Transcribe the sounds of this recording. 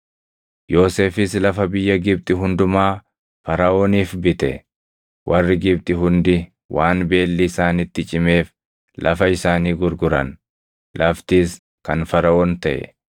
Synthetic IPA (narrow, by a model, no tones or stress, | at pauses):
jo̞ːse̞ːfɪslɐfɐbɪjːɐɡɪb̚t̪ʼɪɦʊnd̪ʊmaː | fɐɾɐʔoːniːfbɪt̪ɛ̰ | wʔɐrːɪɡɪb̚t̪ʼɪɦʊnd̪ɪ | wʔaːnbe̞ːlːɪːsaːnɪt̪ːɪt͡ʃʼɪme̞ːf | lʔɐ̰fɐɪsaːniːɡʊɾɡʊɾɐ̰n | lʔɐft̪iːs | kɐnfɐɾɐʔoːnt̪ɐʔɛ̰